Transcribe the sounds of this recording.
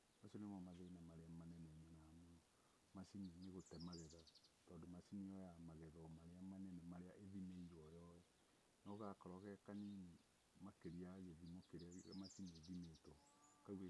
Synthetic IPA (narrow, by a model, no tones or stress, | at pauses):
masonemɔmaðenamaɾeamanɛnɛɲɔnamo | masineneɣotɛmaɣɛðatɔːndomasiniɔjamaɣɛðɔmaɾeamanɛnɛmaɾeaʔeðimeiɾɔjɔjɛ | nɔɣakɔɾɔɣɛkanine | makeɾiaɣeðimokeɾamasineðimetɔ | kaue